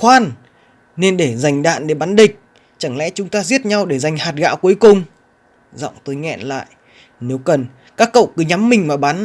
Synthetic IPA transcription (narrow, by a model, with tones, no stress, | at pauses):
waː˧n | ne˧nɗe˧˩za˨˩jŋ̟ɗa̰ː˧˨nɗe˧˩ɓaː˨˦nɗï˨˩k̟̚ | t͡ɕa˧˩ŋlɛ̰˧˥t͡ɕʊ˨˦ŋ͡mt̪aː˧zi˦˥ət̚ɲa˧wɗe˧˩za˨˩jŋ̟haː˨˩t̚ɣa̰ː˧˥wku˨˦əjkʊ˨˩ŋ͡m | zɔ̰˧˨wŋ͡mt̪o˧jŋɛ̰˧˨nla̰ː˧˨jʔ | ne˨˦wkə˨˩n | kaː˦˥kːə̰˧˨wkɨ˨˦ɲa˨˦mːï˨˩ŋ̟maː˨˩ɓaː˨˦n